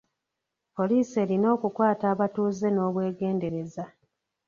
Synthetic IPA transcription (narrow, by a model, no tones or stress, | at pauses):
po̞liːse̞ːɾino̞ːkukwaːtaːβatuːze̞no̞ːβwe̞ːɡe̞ːnde̞ɾe̞za